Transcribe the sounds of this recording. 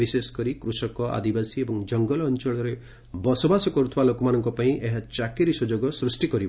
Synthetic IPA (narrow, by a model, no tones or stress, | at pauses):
isesɔ̥kɔɾikɾusɔkɔʔa̰d̪ibasiebɔŋd͡ʒɔŋɡɔlɔːnt͡ʃɔɭɔɾe | bɔsɔbasɔkɔɾut̪ʰibalokɔmanɔŋkɔpaĩʔeɦat͡ʃakeɾisud͡ʒoɡɔsɾusʈikɔɾi